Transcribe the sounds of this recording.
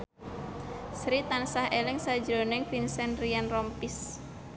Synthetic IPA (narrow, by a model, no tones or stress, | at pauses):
sɾit̪ansahelɪŋsad̥d͡ʒɾonɪŋfinsɛnrianrɔmpis